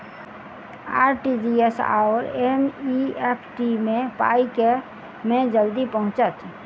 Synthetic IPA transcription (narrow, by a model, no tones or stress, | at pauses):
a̰ːɾʈid͡ʒiesa̰ːoɾemiepʰʈimẽpa̰ːike | mẽd͡ʒəld̪ipəɦʊ̃t͡ʃət̪